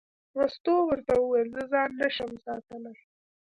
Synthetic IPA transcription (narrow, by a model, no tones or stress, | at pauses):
ɾust̪owəɾt̪awəwejlzəzɑnːaʃəmsɑt̪əlaɾ